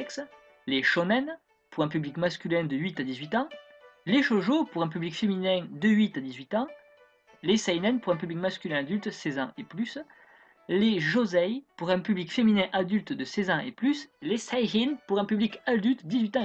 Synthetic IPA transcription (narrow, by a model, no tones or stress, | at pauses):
ɛks | leʃɔnɛn | puʁɛ̃pyblikmaskʲylɛ̃d̪əɥit̪ad̪izɥit̪ɑ̃ | leʃoʒopuʁɛ̃p̬yblikfeminɛ̃d̪əɥit̪ad̪izɥit̪ɑ̃ | lesajnɛnpuʁɛ̃pyblikmaskʲylɛ̃ad̪ylt̪sɛzɑ̰̃eplys | leʒozɛjpuʁɛ̃pyblikfeminɛ̃ʔad̪ylt̪d̪əsɛzɑ̃eplyslesajʁinpuʁɛ̃pyblikad̪ylt̪d̪izɥit̪ɑ̃